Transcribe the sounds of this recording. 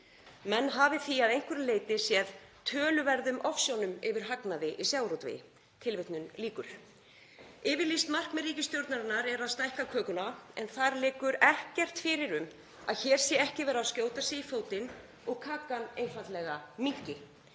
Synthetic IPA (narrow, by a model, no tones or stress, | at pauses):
mɛnːɦaːvɪθiaðejŋ̥kvʏɾɪleːjt̪ɪsjɛðt̪ʰœːlʏvɛɾðʏmʔɔfsjownʏmɪvɪɾ̥ɦaknaðɪʔisjaːwɾot̪vɪ̰ | t̪ʰɪlvet̪nʏmliːkʏɾ̥ | ɪːvɪɾlist̪mar̥kmɛrːiːcɪst̪jowɾt̪naɾɪnːaɾɛɾaðst̪ajhkakʰœːkʏnaɛ̰nθaɾlɪːkʏɾɛhcɛr̥t̪fɪɾɪɾʏm | a̰ðçɛːɾ̥sjɛɛhcɪvɛːɾaðscjoːwt̪asɛifoːwt̪ɪn | ɔɣkʰaːkaneːjnfant̪lɛɣamicɪ